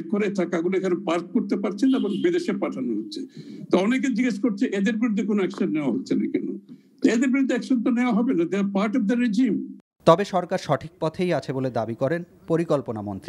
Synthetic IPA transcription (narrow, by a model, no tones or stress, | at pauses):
koɾet̪ʰakaeɡulekʰanepaɾk̚koɾt̪epaɾt͡ɕʰenebonbid̪eʃepaʈʰanoɦotːɕʰe̥et̪oɔnek̬ed͡ʑiɡeʃkoɾt͡ɕʰeʔed̪eɾbiɾud̪ʱːekonoɛkʃanːeoaɦotːɕʰena̰kɛno̰ | t̪oed̪eɾbiɾud̪ʱːeɛkʃont̪oneoaɦɔbenad͡ʑeapaɾʈɔb̚d̪aɾed͡ʑim | t̪ɔbeʃɔɾkaɾʃɔʈʰik̚pɔt̪ʰejat͡ɕʰeboled̪abikɔɾen | poɾikolponamo̰nt̪ɾi